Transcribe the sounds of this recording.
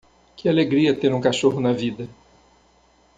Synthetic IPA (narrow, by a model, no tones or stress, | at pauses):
kɪaleɡɾiɐt̪eɾũkaʃoɦʊnɐvid̪ɐ